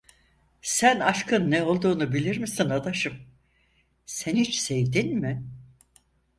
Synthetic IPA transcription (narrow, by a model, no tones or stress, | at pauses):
sænaʃkʰɯnːɛo̞lˠd̪uːnubilʲiɾmisinad̪aʃɯm | senit͡ʃsevd̪inmɪ